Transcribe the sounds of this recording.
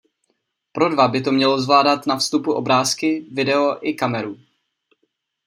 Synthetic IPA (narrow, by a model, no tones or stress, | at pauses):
pɾo̞dvabɪt̪o̞mɲɛlozvlaːdat̪nafst̪upuʔo̞bɾaːskɪvɪdɛo̞ʔɪkamɛɾu